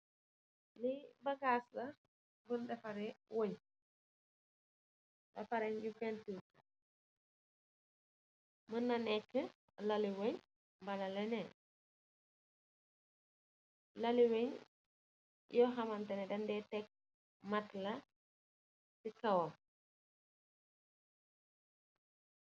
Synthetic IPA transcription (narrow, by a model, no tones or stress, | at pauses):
libɐɡaslɐ | bundɐfɐɾɛwoɲ | dɐ̰fɐɾɛɲjufɛntuka | mənːɐnɛkːə | lɐliwoɲ | mbɐlɐlɛnɛ | lɐliweɲ | jɔxɐmɐntɐnɛdɐndɛtɛk̚ | mɐtlɐ | sikɐwɔ